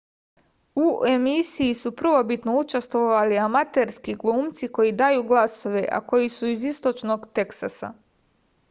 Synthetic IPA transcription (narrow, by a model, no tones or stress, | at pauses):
uemisijisupr̩ʋo̞bit̪no̞ut͡ʃest̪ʋoʋaliamat̪e̞ɾskiɡlˠuːmt̪siko̞jid̪ajuɡlˠaso̞ʋe̞ʔa̰ko̞jisuizist̪o̞t͡ʃno̞ɡt̪e̞ksa̰sa̰